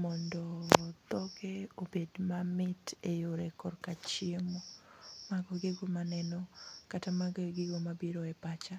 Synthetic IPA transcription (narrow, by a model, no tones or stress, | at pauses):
mɔndɔt̪ɔɡeobedmamɪtejoɾekɔrkat͡ʃɪemomaɡɔɡeɡomanɛnɔkatamaɡɡɪɡomabiɾɔɛpat͡ʃa